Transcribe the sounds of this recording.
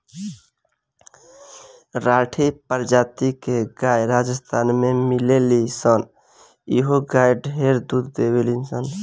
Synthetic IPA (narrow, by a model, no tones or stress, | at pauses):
ɾaʈʰipəɾd͡ʒaːt̪ikeɡaːjɾaːd͡ʒəst̪ʰaːnmemilelisən | ḭɦoɡajɖʱɦeɾd̪ud̪d̪ewelinsən